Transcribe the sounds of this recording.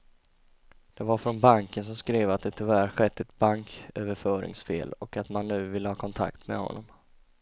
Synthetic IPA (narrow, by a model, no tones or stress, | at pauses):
d̪̥ɛvaɾfɾɔnbaŋkənsɔmskɾeːvat̪̚d̪ɛt̪ʰɪvæːɾɧɛt̪ʰːɛt̪baŋkʰøːvəɾfœːɾɪ̰ŋsfḛːlɔkat̪manːʉ̟ːvɪlːəhɑːkʰɔnt̪ʰa̰kt̪mɛ̰hɔ̰nːɔm